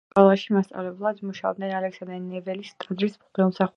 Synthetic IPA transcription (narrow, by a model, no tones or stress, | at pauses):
kʼwɛlˠaʃimast̪sʼa̰vlɛblˠad̪muʃaɔ̰b̚d̪nɛnalɛksand̪ɾɛnɛvɛlist̪ʼad̪ɾismχd̪ɛlˠmsaχu